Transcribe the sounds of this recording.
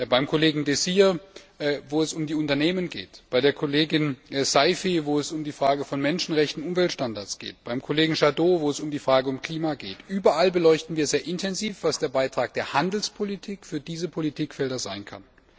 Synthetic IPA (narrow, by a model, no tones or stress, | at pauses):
baɪmkʰoleːɡŋ̩desiːɐ | voːɛsʊmdiːʊntɐneːmənɡḛːtb̥aɪdeːɐkʰoleːɡɪnsaɪfivoːɛsʊmdiːfʁ̥aːɡəfɔnmɛnʃn̩ʁɛçtn̩ʊmvɛltʃtandaɐt͡sɡ̥ḛːtb̥aɪmkʰoleːɡŋ̩ʃadoːvoːɛsʊmdiːfʁ̥aːɡəʊmkʰl̥iːmaɡeːtʔyːbɐʔalbəlɔʏçtn̩viːɐzeːɐʔɪntʰɛnziːfv̥asd̥eːɐbaɪtʁ̥aːk̚d̥eːɐhandl̩spʰolitʰiːkfyːɐdiːzəpʰolitʰiːkfɛldɐzaɪnkʰa̰n